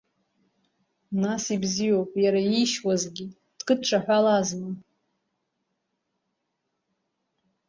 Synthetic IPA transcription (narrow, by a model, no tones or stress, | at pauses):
nasibzijo̞wpʼjaɾaiʃwazɡʲi | d̥kʼɨd̚ʈ͡ʂʷʰaħʷᶣalazma